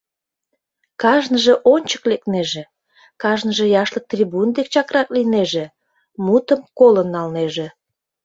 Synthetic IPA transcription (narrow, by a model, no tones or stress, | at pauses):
kɑʒnəʒeʔonʲt͡ɕə̥klekneʒe | kɑʒnəʒejɑʃlək̚t̪rʲibund̪ek̚t͡ɕɑkrɑklineʒe | mut̪əmkolənːɑlneʒe